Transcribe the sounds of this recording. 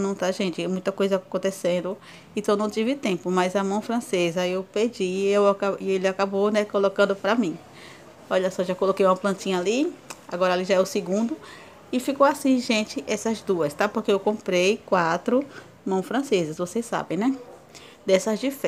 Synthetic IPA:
nɐ̃w̃t̪aʒẽnt͡ʃɪmũj̃t̪ɐkojzɐakõnt̪esẽnd̪ʊ | ẽt̪ɐ̃w̃nɐ̃w̃t͡ʃ̪ivɪt̪ẽpʊmajzɐmɐ̃w̃fɾɐ̃sezɐewped͡ʒiewakaielɪakabonɛkolokɐ̃nd̪ʊpɾamĩ | ɔʎɐsɔʒakolokejũmɐplɐ̃t̪ĩɲɐaliaɡɔɾɐaliʒaɛʊsɪɡũnd̪ʊ | ɪfikowasĩʒẽnt͡ʃɪʔɛsɐzd̪uɐst̪apoɾkeewkõpɾejkwat̪ɾʊ | mɐ̃w̃fɾɐ̃sezɐsvosessːa̰bẽj̃nɛ | d̪ɛsɐzd͡ʒif

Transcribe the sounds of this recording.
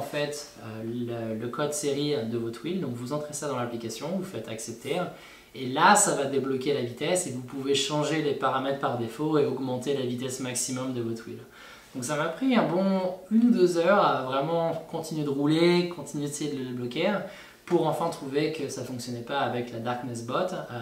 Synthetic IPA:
fɛt̪ | øələkɔd̪seʁiɛd̪əvɔt̪χild̪ɔ̃kvuzɑ̃t̪χesad̪ɑ̃laplikasjɔ̃vufɛt̪aksɛp̚t̪ʰe | elasavad̪eblɔkʲelavit̪ɛsevupuveʃɑ̃ʒelepaʁamɛt̪χpaʁd̪efoeɔɡmɑ̃t̪elavit̪ɛsmaksimɔmd̪əvɔt̪χwḭl | d̪̥ɔ̃ksamapχiɛ̃bɔ̃ynud̪øzœʁavʁɛmɑ̃kɔ̃t̪inɥed̪əʁulekɔ̃t̪inyɥeesjed̪ələd̪eblɔkʲe | puʁɑ̃fɛ̃t̪χuvekəsafɔ̃ksjɔnɛpaːvɛklad̪aʁknɛsbɔt̪

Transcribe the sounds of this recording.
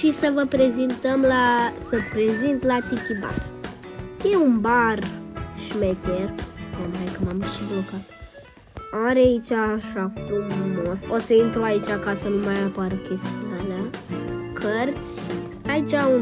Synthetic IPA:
ʃisəvəpɾezint̪əmlasəpɾezint̪lat̪ik̪ʲiba̰ | jeunbarʃimet̪ʲet̪komajkəmamʃiblokat̪ | aɾeait͡ʃʲaʃafumumososəint̪ɾuait͡ʃakasənumajapaɾəkʲe̞st̪ianakʰərt̪sʲ | ait͡ʃau

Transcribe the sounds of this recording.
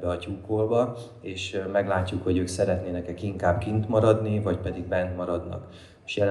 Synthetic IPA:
bɛɒcuːkoːlbɒ | eːʃmɛɡlaːcːukho̞ɟøːksɛɾɛt̪neːnɛkɛkiŋkaːbkint̪mɒɾɒd̪nivɒcpɛd̪iɡ̚bɛnt̪mɒɾɒd̪nɒ̰k | ʃjɛl

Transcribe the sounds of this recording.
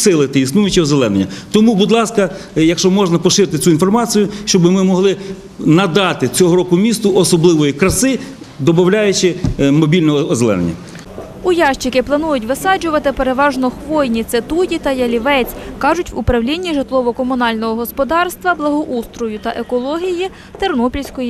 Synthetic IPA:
sɪlˠɪt̪ɪisnujʊt͡ʃʲɔɦɔzelˠɛnenʲːɐt̪ɔmubud̪lˠɑskɐjɐkʃt͡ʃɔmɔʒnɐpɔʃɪɾɪt̪ɪt͡sʲuinfɔrmɑt͡sʲijʊʃt͡ʃɔbɪmɪmɔɦlˠɪ | nɐd̪ɑt̪ɪt͡sʲɔɦɔɾɔkʊmʲist̪ʊʔɔsɔblˠɪʋɔjikɾɐsɪ | d̪ɔbɐwlʲajʊt͡ʃɪmɔbʲilʲnɔɦɔːzelˠɛ̰nḛnʲːɐ̰ | ʊjɑʃt͡ʃɪkɪplˠɐnujʊtʲʋɪsɑd͡ʒʊʋɐt̪ɪpeɾeʋɑʒnɔxʋɔjnʲit̪set̪ujʲit̪ɐjɐlʲiʋɛt͡sʲkɑʒʊtʲʋʊpɾɐwlʲinʲːiʒɪt̪lˠɔʋɔkɔmʊnɑlʲnɔɦɔɦɔspɔd̪ɑrst̪ʋɐblˠɐɦɔʔust̪ɾʊjʊt̪ɐʔekɔlˠɔɦʲiji | t̪ernɔpʲilʲsʲkɔji

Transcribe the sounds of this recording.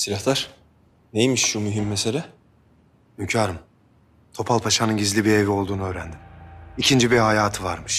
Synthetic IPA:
siɾʲaht̪aɾ̥ | nejmiʃːumyɦimːese̞lʲɛ | mymcʰaːɾɯm | t̪ʰo̞pʰalˠpʰaʃanɯnɟizlʲibiɾe̞vio̞lˠd̪uːnuøːɾænd̪imicʰind͡ʒibihajaːt̪ʰɯvaɾmɯʃ

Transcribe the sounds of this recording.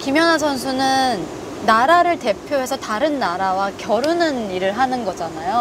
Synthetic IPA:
kimjʌnasʰʌns̬ʰunɯnː | aɾaɾɯɭte̞pʰjoɦe̞sʰʌtaɾɯnːaɾawakjʌɾunɯniɾɯɭɦanɯnɡʌd͡ʑanajo

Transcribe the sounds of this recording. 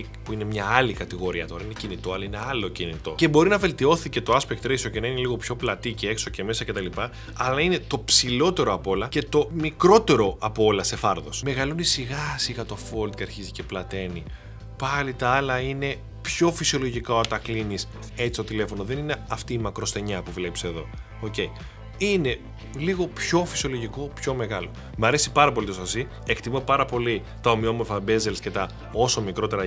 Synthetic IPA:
i | puine̞mɲɐɐlikɐt̪iɣo̞ɾiɐt̪o̞ɾɐinecinit̪o̞ɐlɐineɐlo̞cinit̪o̞̰ce̞bo̞ɾinɐvelt̪io̞θice̞t̪o̞ɐspek̚t̪ɾesioce̞nɐineliɣo̞pço̞plɐt̪icee̞kso̞ce̞me̞sɐce̞t̪ɐlipɐː | lɐine̞t̪o̞psilo̞t̪e̞ɾo̞ɐpo̞lɐce̞t̪o̞mikɾo̞t̪e̞ɾo̞ɐpoo̞lɐse̞fɐɾðo̞sme̞ɣɐlonisiɣɐsixɐt̪o̞fo̞ld̪ceɐɾçizice̞plɐt̪e̞ni | pɐlit̪ɐɐlɐine̞ | pço̞fisio̞lo̞ʝikɐot̪ɐklinis | e̞t͡sistot̪ile̞fo̞noðe̞nineɐft̪iːmɐkɾo̞st̪e̞ɲɐpuvlepseðo̞ | oce̞i | ine̞ | liɣo̞pço̞fi̥sio̞lo̞ʝiko̞pço̞me̞ɣɐlo̞ | mɐɾe̞sipɐɾɐpo̞lit̪osɐsi | e̞kt̪imopɐɾɐpo̞li | t̪ɐomio̞mo̞ɾfɐbe̞zelsce̞t̪ɐ | o̞so̞mikɾo̞t̪e̞ɾɐ

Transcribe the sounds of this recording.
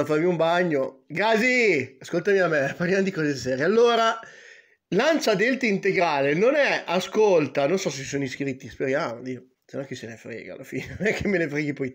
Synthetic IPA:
afarmiumbaɲːoɡaziaskolt̪amiameparljamod̪ikɔːzesɛːɾjealːoːɾa | lant͡ʃad̪elt̪eint̪eɡɾaːlenonɛaskolt̪anonsɔset͡ʃi̥sonoiskɾit̪ːispeɾjaːmod̪io | senɔkesenefɾḛːɡa̰lːafḭːnemɛkʰːemːenefɾeːɡipɔj

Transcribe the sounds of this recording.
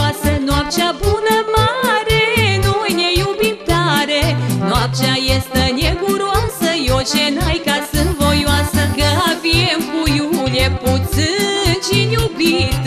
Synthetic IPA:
asənuap̚t͡ʃʲabunəmaɾenojnejubimt̪aɾenuap̚t͡ʃʲajest̪ənʲeɡuɾoamsəjot͡ʃenajkasɨnt̪vojoasəɡəavʲiemkujuljeput̪sɨnt͡ʃinʲubit̪

